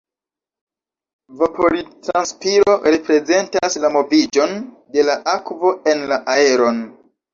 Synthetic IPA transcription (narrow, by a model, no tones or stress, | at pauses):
vapʰo̞litɾanspiɾo̞ɾe̞pɾe̞ze̞ntaslamo̞vid͡ʒo̞n | de̞laʔakvo̞e̞nlaʔae̞ɾo̞n